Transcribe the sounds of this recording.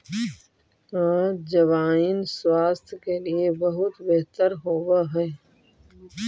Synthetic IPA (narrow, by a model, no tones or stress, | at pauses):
ãːd͡ʒɐʋaːinswaːst̪ʰkeliebɐɦʊt̪beɦt̪əɾɦoːwaɦɛː